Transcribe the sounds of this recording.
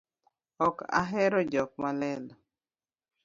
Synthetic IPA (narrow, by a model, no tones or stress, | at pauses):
ɔka̰ɦɛɾɔd͡ʒɔk̚malɛlɔ